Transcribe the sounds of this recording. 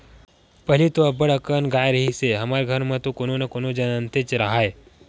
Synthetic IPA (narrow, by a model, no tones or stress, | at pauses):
pəɦilit̪oɐbəɽəkənɡaːjɾəɦiseɦəmaɾɡʱəɾmə̃t̪okononakonod͡ʒənənt̪et͡ʃɾaɦaje